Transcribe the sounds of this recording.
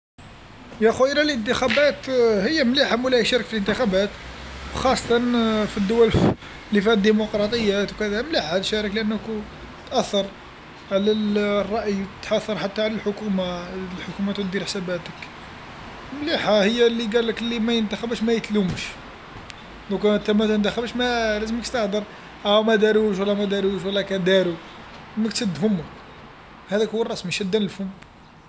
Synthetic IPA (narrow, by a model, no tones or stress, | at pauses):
jæxuʔəlælʔənt̪̬əxæbæt̪həjːæmliħamulæʃæɾəkfilʔənt̪əxæbæt̪wxɑsˤːɑ̥t̪ˤɑnfid̪ːʊwæl | lifihæd̪ːimoqɾˤɑt̪ˤəjːæt̪wkæd̪æhæmliħahæd̪ʃæɾəkləʔənːəku | t̪ʔæθːɑɾˤ | ʕlælrˤːɑʔjt̪ħɑθːɑɾˤħat̪ːaʕlælħʊkumalħʊkumæt̪d̪iɾħsæbæt̪ək | mliħahəjːælːiɡæləkəlːimæjənt̪æxəbəʃmæjət̪lumʃ | lækt̪æmæt̪ənt̪æxəbʃmælæzəməkst̪ɑħd̪əɾˤ | ʔæwmæd̪æɾuʃ̬wlːæmæd̪æɾuʃwəlːækæd̪æɾu | məkt̪əd̪hʊmːu | hæd̪ækhuːərˤːɑsmiʃæd̪ːænəlfʊm